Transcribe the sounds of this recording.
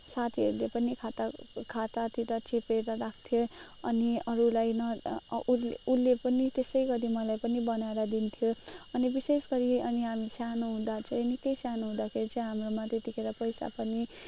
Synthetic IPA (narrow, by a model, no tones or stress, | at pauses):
sat̪ʰiʌɾulepʌnikʰat̪akʰat̪at̪it̪ʌt͡sʰepeɾʌɾakʰt̪ʰjo | ʌniʌɾulajnʌ | ulːepʌnit̪esʌjɡʌɾimʌlajpʌnibʌnaeɾʌd̪int̪ʰjoʌnibisesɡʌɾiʌniɦamisjanoɦũd̪at͡sʰʌ̃enikʌjsjanoɦũd̪akʰeɾit͡sʰʌ̃ɦamromat̪et̪ikʰeɾʌpʌjsa̰pʌni